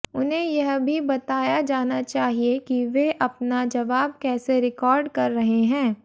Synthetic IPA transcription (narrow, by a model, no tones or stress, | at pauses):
ʊnɦẽjɐɦbʱibɐt̪aːjad͡ʒaːnat͡ʃaːɦiekiʋeʔɐpnad͡ʒɐʋaːb̚kɛːseɾɪkɔːɾɖkɐɾːɐɦeɦɛ̃ː